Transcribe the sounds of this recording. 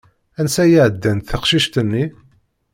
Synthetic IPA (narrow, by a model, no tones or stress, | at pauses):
ænsæjiʕəd̪ːænt̪θəqʃiʃt̪ənːi